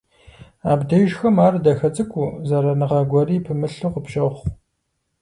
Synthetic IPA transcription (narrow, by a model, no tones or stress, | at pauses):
aːbdɐʒxɐmaːrdɐxɐt͡sʼɨkʷʼuːzɐɾɐnɨʁɐɡʷɔriːpʰɨmɨɬɨqəpʃɐχʷ